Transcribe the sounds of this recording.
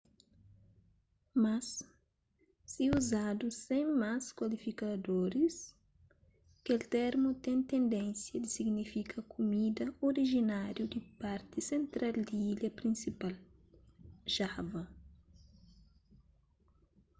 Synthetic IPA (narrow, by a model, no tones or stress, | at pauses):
mɐs | iuzad̪usẽjmaskwalifikɐd̪oɾis | kelt̪ɛɾmut̪eɛ̃nt̪ẽnd̪ɛ̃nsjɐd̪isiɡnifikʰɐkʰumid̪ɐoɾiʒinaɾjud̪ipaɾt̪isẽnt̪ɾald̪iilɐpɾĩnsipal | ʒavɐ